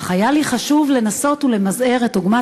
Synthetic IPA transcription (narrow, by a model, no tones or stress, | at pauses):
χajaliχaʃuvle̞naso̞tule̞mazʔeʁet̚doɡma